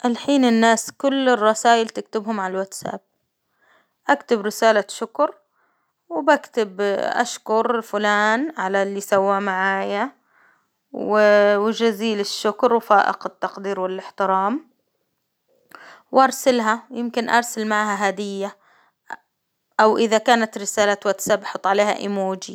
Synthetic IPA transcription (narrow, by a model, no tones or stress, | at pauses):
ʔalħiːnɪnːaːskʊlːɪrˤːɑsaːjɪlt̪ɪk̚t̪ɪbhʊmʕalalwat̪sa̰b̚ | ʔakt̪ɪbɾɪsaːlaʃʊkɾ | wbakt̪ɪbʔa̰ʃkʊɾɪlfʊlaːnʕalalːisawːamaʕaːja | wɪwɪd͡ʒaziːlɪʃːʊkɾwfaːʔɪ̰qɪt̪ːɑqd̪iːɾwɪlːɪħt̪ɪɾɑːm | wʔɑɾˤsalɦajɪmkɪnʔɑ̰ɾˤsalmaʕɦaɦaːd̪ɪjːa | ʔawʔɪðakaːnat̪ɾɪsaːlat̪wat̪sabʔaħɑt̪ˤːʕaleːɦa̰ʔɪmoːd͡ʒi